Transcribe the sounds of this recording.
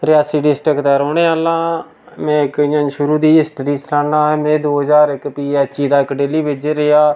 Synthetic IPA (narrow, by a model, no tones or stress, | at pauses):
ɾɪjaːsiːɖɪsʈɾəkd̪aːɾoːɳeːaːlãː | mɛ̃ːɪkɪːãːnʃʊɾuːd̪iːɪsʈəɾiːsɾãːɳãːɛːmɛ̃ːd̪oːɦəzaːɾɪkpiːɛːt͡ʃːiːd̪aːɪkɖeːliːbɪd͡ʒɾɪaː